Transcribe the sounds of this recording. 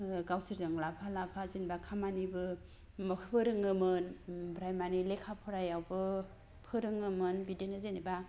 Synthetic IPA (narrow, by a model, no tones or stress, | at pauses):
ɡawsiɾdɯŋlapʰalapʰazinbakʰamanibɯ | mɯkʰpʰɯɾɯŋɯmɯnbɾajmanilekʰapʰɯɾajawbɯ | pʰɯɾɯŋɯmɯnbidenɯzeniba